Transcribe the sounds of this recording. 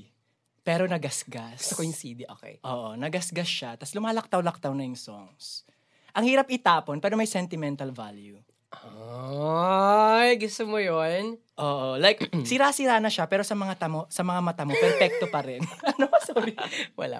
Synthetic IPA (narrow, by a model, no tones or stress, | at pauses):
pɛːɾo̞nɐɡɐsɡaskojʊsid̪iʔo̰kḛʔoːʔo̞nɐɡɐsɡɐsʃat̪ɐslʊmaːlɐk̚t̪aɐwlɐk̚t̪awnɐjʊŋsoŋs | ʔɐŋhiːɾɐpɪt̪aːponpwɛːɾomɐjsɛnt̪ɪmɛnt̪ɐlva̰lju | ʔa | jɡʊst̪omojon | ʔoːʔolajk̚sɪɾaːsɪɾaːnɐʃapɛːɾo̞sɐmɐŋat̪ɐmosɐmɐŋamɐt̪amopɛɾfɛk̚t̪opɐɾɛnɐnosoːbɪwɐ̰la̰